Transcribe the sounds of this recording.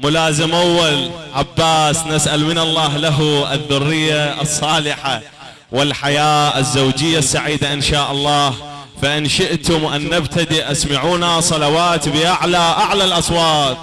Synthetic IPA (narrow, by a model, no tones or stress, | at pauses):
mʊlaːzɪmʔawːalʕabːaːsnɪsʔalmɪnɑlˤːɑːɦlaɦuɪðːʊrːɪjːasˤːɑːlɪħa | wɪlħajaːɪzːowd͡ʒɪjːasːaʕiːd̪aʔɪnʃaːʔɑlˤːɑːh | faʔɪnʃɪʔt̪ʊmʔanːabt̪ad̪iʔʔasmaʕuːnasˤɑlɑwaːt̪bɪʔaʕlaʔaʕlalʔɑsˤwɑːt̪̚ˤ